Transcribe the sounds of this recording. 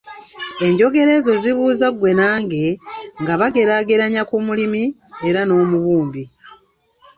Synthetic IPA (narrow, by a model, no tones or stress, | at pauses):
e̞ɲɟo̞ɡe̞ɾe̞ːzo̞ziβuːzaɡwe̞naːŋɡe̞ŋɡaβaɡe̞ɾaɡe̞ɾaɲakumulimi | eɾano̞ːmuβuːmbi